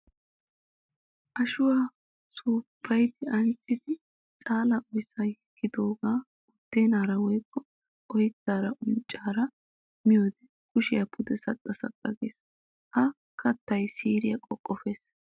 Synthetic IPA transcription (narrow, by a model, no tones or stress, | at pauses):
ʔɐʃʊwaː | suːpʰːɐjd̪ɪɐnt͡sʼːɪd̪ɪ | t͡sʼaːlɐʔɔjsɐjɛkʰːɪd̪oːɡaː | ʊd̪̥ːeːnaːɾɐwɔjkːɔ | ʔɔjɪt̪ːaːɾɐʔʊnt͡ʃʼːaːɾɐ | mɪjoːd̪ɛ | kʊʃɪjɐpʰʊd̪ɛsɐt̪ʼːɐsɐ̰t̪ʼːɐɡḛːs | hɐ | kʰɐt̪ːɐjsiːɾɪjɐkʼɔkʼːɔfe̞ːs